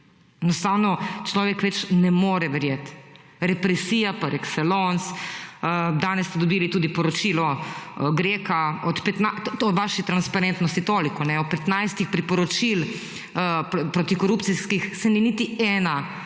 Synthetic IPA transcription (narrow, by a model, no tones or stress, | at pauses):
ɛnɔst̪aːwnɔt͡ʃlɔːʋɛkʋɛt͡ʃnɛmoːɾɛʋɛɾjeːt̪ | ɾɛpɾɛsiːjapaɾɛksɛlons | d̪aːnɛsːt̪ɛd̪ɔbiːlit̪uːd̪ipɔɾɔt͡ʃiːlɔɡɾekaɔt̪pɛt̪naɔʋaːʃit̪ɾanspaɾent̪nɔst̪it̪oːlikɔnɛɔpːɛt̪najst̪ixpɾipɔɾɔt͡ʃil | ppɾot̪ikɔɾuːptsiskixsɛninit̪iɛːna